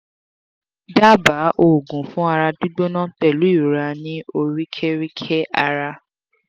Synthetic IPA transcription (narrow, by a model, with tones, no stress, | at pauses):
da˦˨ba˨˦ʔo˨ɡũ˨fũ˨˦a˧ɾa˧du˦ɡ͡bo˦nã˦tɛ˨lu˨˦i˦˨ɾa˧nĩ˦o˧ɾi˦kʰɛ˦ɾi˦kʰɛ˦a˧ɾa˧